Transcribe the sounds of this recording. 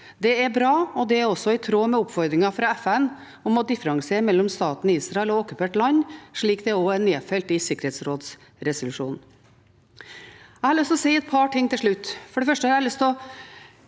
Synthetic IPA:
d̪ɛæɾbɾɑːɔd̪ɛæɾɔsːɔɪt̪ʰɾoːmɛʊpfɔɾd̪ɾɪŋɑfɾɑɛfɛn | ɔmɔd̪ɪfəɾɑŋseːɾmɛlːɔmst̪ɑːt̪niːsɾɑɛlɔoːkʉpʰeːʈlɑnːʂɭiːkd̪ɛoːæɾneːfɛlt̪ɪsɪkəɾhɛːt̪sɾoːd̪s | ɾɛsʊlʉʂṵːn̩ | æɪhɑɾlʏst̪ɔsæɪɛt̪̚pʰɑʈɪŋːt̪ɪlʂɭʉt̪ːfɔɖɛfœʂʈəɑɾlʏst̪ɔ

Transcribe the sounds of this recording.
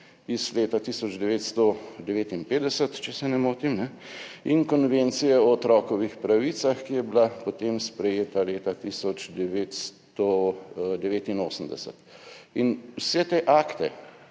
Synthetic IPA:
izleːt̪at̪iːsɔd͡ʒd̪ɛʋeːt̪st̪od̪ɛʋeːt̪inpeːd̪ɛsət̪t͡ʃɛsɛnɛmoːt̪imnɛ | iŋkɔnʋent̪sijɛɔɔt̪ɾɔːkɔʋixpɾaʋit̪saxkijɛbilapot̪emspɾɛjeːt̪aleːt̪at̪iːsɔt͡ʃd̪ɛʋeːt̪st̪ɔd̪ɛʋeːt̪inoːsəmd̪ɛsə̰t̪inwsɛt̪eʔaːkt̪ɛ

